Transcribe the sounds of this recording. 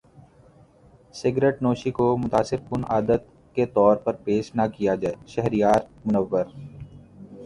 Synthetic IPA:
sɪɡɾeʈnoːʃikomʊt̪aːsɪɾkʊnaːd̪ət̪̚ | ket̪ɔːɾpɐɾpeːʃnakijad͡ʒaːeʃɛɦɾijaːɾmʊnəʋːəɾ

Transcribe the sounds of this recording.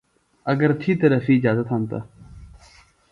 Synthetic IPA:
ɐɡəɾt̪ʰiːt̪əɾəfiːɪd͡ʒaːzət̪ɦãnt̪a̰ː

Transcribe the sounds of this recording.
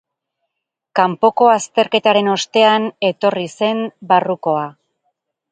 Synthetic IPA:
kampo̞ko̞ast̪e̞ɾke̞t̪aɾe̞no̞st̪e̞ane̞t̪o̞rise̞mbaruko̞a

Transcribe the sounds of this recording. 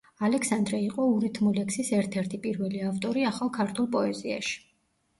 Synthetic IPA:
alɛkʰsand̪ɾɛiqʼɔuɾit̪ʰmulɛksisɛɾt̪ʰɛɾt̪ʰipʼiɾvɛliaft̪ʼɔɾiaχalˠkʰaɾt̪ʰulˠpʼɔɛzia̰ʃi̥

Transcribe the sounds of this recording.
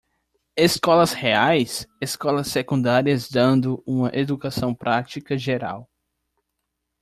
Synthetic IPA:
eskɔlɐsheajseskɔlɐsekũnd̪aɾiɐzd̪ɐ̃nd̪ʊũmɐʔed̪ukasɐ̃w̃pɾʔat͡ʃikɐʒeɾa̰w

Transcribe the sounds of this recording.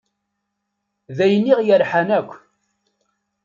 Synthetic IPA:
ðæjnːiʁjəɾħanækʷː

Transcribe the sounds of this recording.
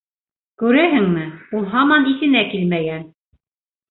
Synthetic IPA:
kʉɾæɦɘŋmɘulˠɦɑmɑniθɘ̆nækilmæjæn

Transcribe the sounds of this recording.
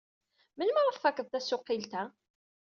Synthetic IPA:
mənməɾˤəfːækːəðˤt̪æsʊqːilt̪æ

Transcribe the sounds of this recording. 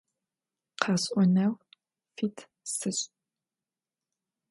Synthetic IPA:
qʰɑɕʼʔʷɔnɐw | fiːtʰ | sɨɕʼ

